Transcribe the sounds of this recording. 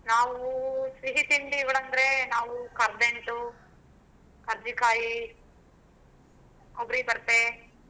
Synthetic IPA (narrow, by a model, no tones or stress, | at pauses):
naːʋusʋiɦit̪iɳɖiɡɐɭɐnd̪ɐɾenaːʋukɐɾd̪eɳʈu | kɐɾd̪ikaːji | kobɾibɐɾt̪e